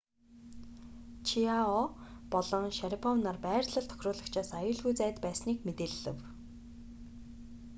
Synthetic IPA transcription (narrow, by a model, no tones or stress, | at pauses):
t͡ɕʰiaɔpɔɮɞ̆ŋʃaɾipʰɔwnarpæːrɮə̆ɮt̪ʰœ̥xʲrʊːɮə̆kt͡ɕʰaːsajʊːɮɣujt͡sæːt̪pæːsniːkmet̪eːɮːɘ̰̆w